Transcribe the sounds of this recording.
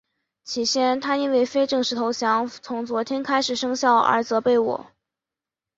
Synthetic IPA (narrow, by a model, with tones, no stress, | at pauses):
t͡ɕʰi˨˩ɕjɛ˥nt̪ʰa˥i˥nwe˥˩ɪfe˥ɪʈ͡ʂɤ˥˩ŋʂɻ̩˧˥t̪ʰo˧˥ʊɕjɑ˧˥ŋt͡sʰʊ˧˥ŋt͡swɔ˧˥t̪ʰjɛ˥nkʰa˥ɪʂɻ̩˨˩ʂɤ˥ŋɕjɑ˥˩ʊʔə̰˞˧˥t͡sɤ˧˥pe˥˩ɪwɔ̰˨˩˦